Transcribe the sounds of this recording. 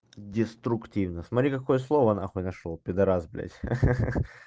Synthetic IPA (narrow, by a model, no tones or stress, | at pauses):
dʲɪst̪ɾʊktʲivnəsmɐt̪ɾʲikɐkojəslˠovəɐna̰xonɐʂolˠpʲɪd̪ɐɾazblʲæ̰tʲ